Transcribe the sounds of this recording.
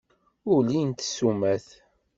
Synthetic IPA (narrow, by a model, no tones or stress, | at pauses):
ʊɾlint̪ə̥sːumæθ